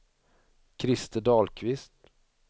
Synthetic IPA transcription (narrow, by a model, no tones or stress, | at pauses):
kʰɾɪst̪əd̪ɑːlkʰvɪst̪